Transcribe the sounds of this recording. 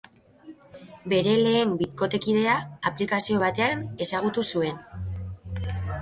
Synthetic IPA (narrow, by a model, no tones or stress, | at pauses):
be̞ɾe̞le̞ːmbit̪ko̞t̪e̞kiðe̞aːplikasio̞β̞at̪e̞ane̞saɣ̞ut̪usue̞n